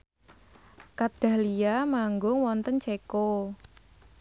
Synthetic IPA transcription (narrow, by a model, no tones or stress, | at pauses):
kad̪̥a̤hlijamaŋɡʊŋwɔnt̪ənt͡ʃeko